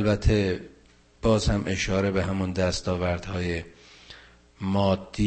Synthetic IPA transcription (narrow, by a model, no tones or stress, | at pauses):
lbæt̪ʰːe̞ | b̥ɒːzhæmʔe̞ʃɒːɾe̞be̞ɦæmund̪æst̪ɒːvæɾd̪hɒːje̞ | mɒːd̪̥ːi